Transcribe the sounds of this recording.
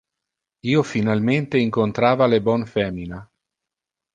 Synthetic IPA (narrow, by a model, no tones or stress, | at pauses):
iːofinalment̪eiŋkont̪ɾaːvalebɔnfɛːmina